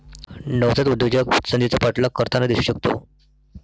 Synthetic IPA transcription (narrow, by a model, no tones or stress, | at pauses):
nəʋt͡sət̪ud̪jud͡ʑəksənd̪it͡sapəʈlakəɾt̪ʰanad̪iɕɕəkt̪o̰